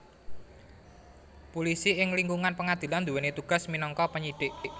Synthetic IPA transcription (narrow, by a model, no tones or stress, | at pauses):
pulisiɪŋliŋɡuŋanpəŋad̪̥i̤land̪uwɛnet̪uɡ̥a̤sminɔŋkɔpəɲiɖ̥ɪʔʔ